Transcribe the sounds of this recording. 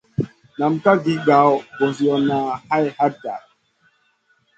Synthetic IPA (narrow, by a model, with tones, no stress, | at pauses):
na˨m̩˨ka˦ɡi˨˦ɡa˨˦wbo˨zi˨ɔ˨na˨ha˦jha˦da̰˨